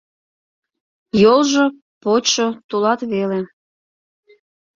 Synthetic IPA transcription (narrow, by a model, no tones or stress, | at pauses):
jolʒo | potʃot̪ulɑt̪βele